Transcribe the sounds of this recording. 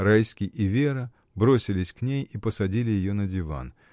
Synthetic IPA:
rajskʲɪjʔɪvʲe̞ɾə | bɾo̞sʲɪlʲɪsʲknʲejipəsɐdʲilʲɪjɪjonədʲɪva̰n

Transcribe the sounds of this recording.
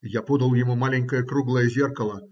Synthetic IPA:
japud̪ə̆lˠjomumalʲenʲkəjəkruɡlˠəjəzʲerkə̆lˠə̆

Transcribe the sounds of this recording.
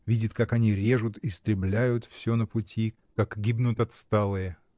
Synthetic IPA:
vʲidʲɪt̪kakɐnʲiɾʲe̞ʐʊt̪ist̪ɾʲɪblʲæjʊt̪fsʲonəpʊtʲi | kakɡʲibnʊt̪ɐt̪st̪alˠɨjə

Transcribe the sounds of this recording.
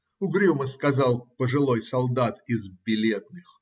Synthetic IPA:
ʊɡɾʲuməskɐzɑlˠpəʐɨlˠojsɐlˠd̪at̪ɪzbʲɪlʲe̞t̪̚nɨx

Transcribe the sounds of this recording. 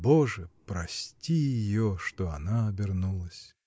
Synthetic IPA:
boʐɨpɾɐsʲtʲijɪjoʂt̪oɐnaɐbʲɪrnulˠəsʲ

